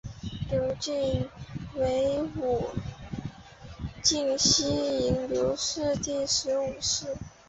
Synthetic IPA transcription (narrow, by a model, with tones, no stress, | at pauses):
ljo˧˥ʊt͡ɕi˥˩ŋwe˧˥ɪu˨˩ | t͡ɕi˥˩ŋɕi˥i˧˥ŋljo˧˥ʊʂɻ̩˥˧t̪i˥˩ʂɻ̩˧˥u˨˩ʂɻ̩˥˩